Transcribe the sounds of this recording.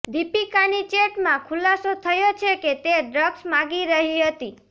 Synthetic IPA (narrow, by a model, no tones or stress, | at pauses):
d̪ʱipikanit͡ʃeʈmãkʰulasot̪ʰəjot͡ʃʰeket̪eɖɾəɡsmãɡiɾəɦiɦət̪i